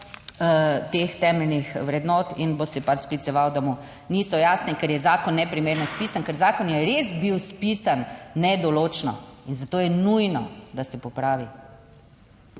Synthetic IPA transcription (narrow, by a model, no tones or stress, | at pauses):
t̪eːxt̪ɛːmɛlnixʋɾɛd̪nɔːt̪inbosɛpat͡ʃsklit̪sɛʋawd̪amu | niːsɔjaːsnɛkɛɾjɛzaːkɔnːɛpɾimeːɾnɔspiːsankɛɾzaːkɔnjɛɾezbiwspisanːɛd̪ɔloːt͡ʃnɔ̰inzat̪oːjɛnujnɔd̪asɛpɔpɾaːʋi